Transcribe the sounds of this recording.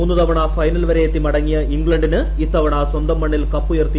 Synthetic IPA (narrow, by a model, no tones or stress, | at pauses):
uːnːɨt̪ɐʋɐɳaːfɐjnɐlʋɐɾejet̪ːimɐɽɐŋːijɐiŋɡɭɐɳɖinɨ | it̪ːɐʋɐɳaːswɐnd̪ɐmːɐɳːilkɐpːujert̪ːi